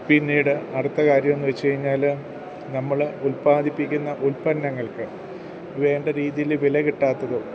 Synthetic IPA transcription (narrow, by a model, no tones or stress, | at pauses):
pinːiːɽɨɐɽut̪ːɐkaːɾjɐme̞nːuʋet͡ɕːukɐɻiɲːaːl | nɐmːɐɭulpaːd̪ʱipːikʲːunːɐʔulpɐnːɐŋːɐɭkɨ | ʋe̞ːɳɖɐɾiːðijilʋilɐkiʈːaːt̪ːɐðɨ